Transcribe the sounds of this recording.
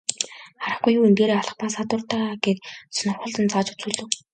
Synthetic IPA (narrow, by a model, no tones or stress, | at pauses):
χaɾə̆χɡujːuːemt̪eːɾeːɔɮɞ̆χpaːsat̪ʊːrt̪aːɡet̪snʊ̆rχʊ̆ɮt̪ə̆nt͡saːt͡ɕu̥t͡suːɮɵ̆w